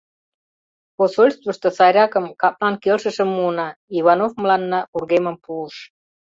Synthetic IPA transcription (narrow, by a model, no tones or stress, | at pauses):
posolʲst̪vəʃt̪osɑɾʲɑkəmkɑp̚lɑnkelʃə̆ʃə̆mːuənɑiβɑnofmlɑnːɑurɣemə̆mpuəʃ